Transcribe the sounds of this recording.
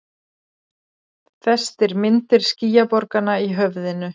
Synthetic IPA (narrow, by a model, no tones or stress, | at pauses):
θɛst̪ɛɾmɪnt̪ɪɾ̥sciːjapɔɾkanaiɦœvðɪnʏ